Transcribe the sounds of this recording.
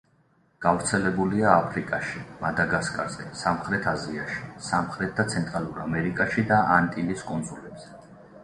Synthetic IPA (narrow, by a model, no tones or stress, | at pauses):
ɡ̥avɾt̪sʰɛlɛbuliaːpʰɾikʼaʃimad̪aɡaskʼa̰z̥ɛsamχɾɛt̪ʰaziaʃi̥samχɾɛt̪̚ʰd̪at̪sʰɛnt̪ʼɾalˠuɾamɛɾikʼaʃid̪aʔant̪ʼiliskʼɔnzulɛbz̥ɛ